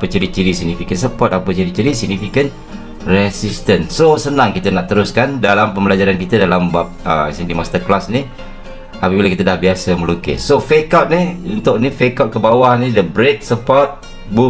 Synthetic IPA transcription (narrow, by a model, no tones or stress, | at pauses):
pət͡ʃəɾit̚t͡ʃiɾisiɡ̚nifikənsəpɔt̪apət͡ʃiɾitt͡ʃiɾisiɡ̚nifikən | rɛsist̪ənsosənaŋkit̪ənaʔt̪əɾʊskandalampəmbəlad͡ʒaɾankit̪ədalambap̚ə̰sindimast̪ərklasni | apəbiləkit̪ədahbiasəməlukɪ̰sofekat̪̚niunt̪ʊʔnifekat̪̚kəbawahnidəbɾek̚səpɔt̪̚ | bu